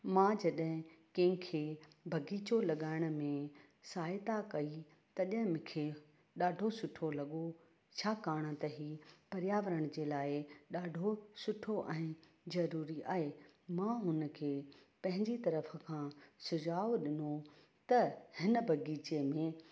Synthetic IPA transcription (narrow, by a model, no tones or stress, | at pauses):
mãːd͡ʑɐɗɦɪ̃kɐ̃ɦɪ̃kʰe | bʱɐɡiːt͡ɕolɐɠaːɪɽ̃̆mẽ | saːɪt̪akɐi | t̪ɐɗɦɪ̃mʊ̃kʰe | ɗaːɖʱosʊʈʰolɐɠo | t͡ɕʰaːkaːɽ̃ət̪ɐɦipɐɾɪjaːʋəɾəɽ̃d͡ʑeːlaːɪɗaːɖʱosʊʈʰoʔɛ̃ː | zɐɾuːɾiʔa̰ːɦemãɦʊnəkʰeːpɐ̃ɦɪ̃ɲd͡ʑit̪ɐɾəfkʰãːsʊd͡ʑaːoɗɪno | t̪ɐhɪnəbʱɐɡiːt͡ɕemẽ